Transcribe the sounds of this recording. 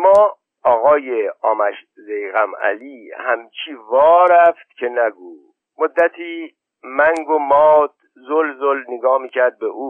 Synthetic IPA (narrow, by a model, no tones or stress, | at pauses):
mɒː | ɒːɣɒːjeɒːmæʃ | zejɣæmæ̰liːhæmt͡ʃʰiːvɒːɾæft̪̚cʰe̞næɡuː | mod̪ːæt̪ʰiː | mæŋɡomɒːd̪̥ | zolzolneɡɒːhmiːcʰæɾd̪̚beʔuː